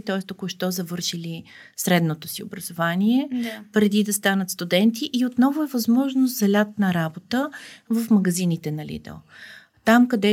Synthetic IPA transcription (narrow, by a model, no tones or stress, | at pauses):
t̪ɔɛst̪okoʊʃt̪ɔzɐvɤɾʃili | sɾɛd̪not̪osio̰bɾɐzovaniɛpɾɛd̪id̪ɐst̪anət̪st̪ud̪ɛnt̪iʔiot̪nɔvʊɛvɐzmɔʒnʊst̪zɐlʲat̪nɐɾabot̪əvəfmɐɡɐzinit̪ɛnɐlḭd̪ɛ̰lˠ | t̪amkɐd̪ɛ